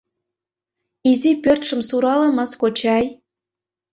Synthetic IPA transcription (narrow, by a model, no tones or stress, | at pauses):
izipørt̪ʃə̆msuɾɑlɤ̆mɤskot͡ɕɑj